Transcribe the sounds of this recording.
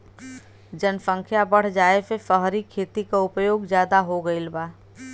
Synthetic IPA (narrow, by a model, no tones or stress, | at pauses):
d͡ʒənsə̃ŋkʰjabɐɽ̤d͡ʒaːepefəɦɾikʰeːt̪ikaʊpjoːɡzjaːd̪aɦoɡəilbaː